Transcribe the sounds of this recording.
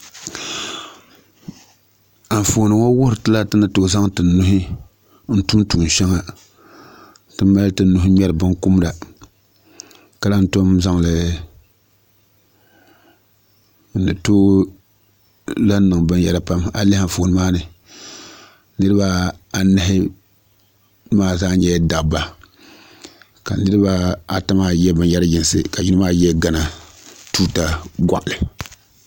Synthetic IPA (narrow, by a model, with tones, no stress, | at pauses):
a˨ɱ˨fo˨nɨ˨ŋo˦wʊ˦ɾɨ˨tɨ˦la˦tɨ˦nɨ˨to˦˨za˦ŋtɨ˨nu˦ɦi˦ | n̩˦tu˦mtu˨n˨ʃɛ˦ŋa˨ | tɨ˦ma˦ltɨ˨n˦nu˨hɪ˦ɲɛ˦ɾɨ˨bɨ˦nku˦m˦da˨ | ka˦la˦n̩˦to˦mza˦ŋ˨lɨ˨ | n̩˨dɨ˨toː˦ | la˦n˦nɨ˨ŋbɨ˦nja̰˨ɾa˨pa˦ma˨le˦ha˦fo˨˦nɨ˦maː˦nɨ˨ | nɨ˦ɾɨ˦ba˦a˨nɛ˦ɦɪ˦ | maː˦zaː˦ɲɛ˦da˨kba˨ | ka̰˨nɨ˦ɾɨ˦ba˦a˨ta˦ma˦jɛ˦bɨ˨nja˦ɾa˦jɪ˨n˨sɨ̰˨ka˨ji˦nɨ˦maː˦jɛ˦ɡa˦na˨ | tuː˦ta˦ɡʷa̰˨ʔlɨ˨